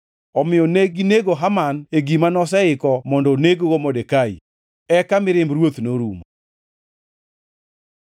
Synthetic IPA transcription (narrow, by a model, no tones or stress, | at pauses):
ɔmɪɔneɡineɡoɦamaneɡimanɔs̬ɛɪkɔmɔndɔneɡoɡomodekaḭ | ɛkamɪɾɪmbɾwot̪noɾṵmo